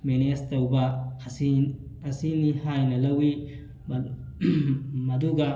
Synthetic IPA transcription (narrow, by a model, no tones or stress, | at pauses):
menɛɐst̪ɐʊba | ɐsinihajnɐlɐwi | mɐd̪uɡa